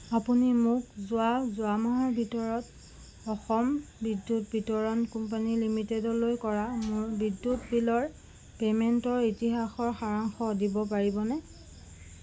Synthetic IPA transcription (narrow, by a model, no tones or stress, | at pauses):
apunimʊkzʊazʊamɔɦaɹbʱitɔɹɔt | ɔxɔmbidːut̚bʱitɔɹɔnkump̬anilimitedɔlojkɔɹamʊɹbidːutbilɔɹ | pemɛntɔɹitiɦaxɔɹxaɹaŋxɔdibɔpaɹibɔnɛ